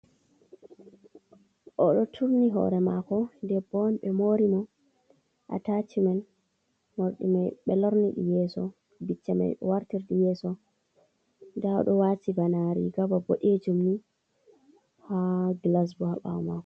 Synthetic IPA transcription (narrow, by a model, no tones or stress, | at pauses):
ʔɔɗɔtʰuɾniɦɔ̰ɾɛmakɔndɛbɔnɓɛmoɾimɔ | ʔa̰tat͡ʃiman | moɾɗḭmajɓɛlɔɾniɗḭjɛsɔ | bit͡ʃːama̰jɗɛ̰waɾtiɾɗijɛːsɔ | ndaɔ̰ɗɔwatibanaɾḭɡababoɗed͡ʒumni | haɡlas̬bɔha̰ɓa̰wmaːkɔ